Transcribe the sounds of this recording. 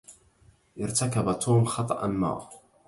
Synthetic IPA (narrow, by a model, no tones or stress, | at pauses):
ʔɪɾt̪akabat̪ʰuːmxɑt̪ˤɑ̰ʔanma̰ː